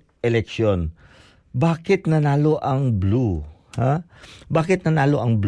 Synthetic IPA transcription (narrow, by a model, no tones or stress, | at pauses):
ʔɛlɛkʃjon | baːkɪt̪nɐnaːloʔɐŋblu | habaːkɪt̪̚nɐnaːloʔɐŋbl